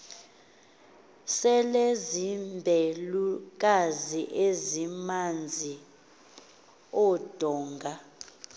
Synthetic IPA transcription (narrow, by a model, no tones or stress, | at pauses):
sɛlezimbʱeluk̬ʼaziʔezimand͡zʱi | ɔd̥ʱɔːŋɡʱa